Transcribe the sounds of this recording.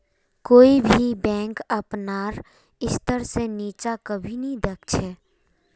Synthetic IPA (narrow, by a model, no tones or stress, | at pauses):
koːibʱibɛ̃ːŋkəpnaːɾ | ɪst̪əɾseniːt͡ʃakəbʱinəɦĩd̪ekt͡ʃʰɛ